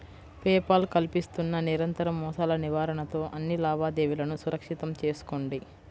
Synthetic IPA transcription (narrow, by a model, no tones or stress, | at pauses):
pɛːpɐlkɐlpist̪unːɐniɾɐnt̪ɐɾɐmːɔːsaːlɐniʋaːɾɐɳɐt̪o̞ːʔɐnːilaːbaːd̪eːʋilɐnusuɾɐkʂit̪ɐmt͡ʃe̞ːsu̥koɳɖi